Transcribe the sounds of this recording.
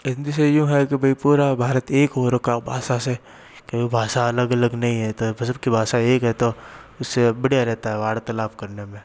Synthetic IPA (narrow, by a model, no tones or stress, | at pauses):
ɪnd̪isejũɦɛkibʱɐipuːɾabʱaːɾət̪eːkɦoːɾkabʱaːʃase | kebibʱaːʃaɐləɡɐləɡnɐɦĩɦɛt̪obʱɐsəb̚kibʱaːʃaeːkɦɛt̪o | ʊsːebɐɽjaɾɛɦt̪aɦɛʋaːɽt̪ɐlaːfkɐɾnemẽː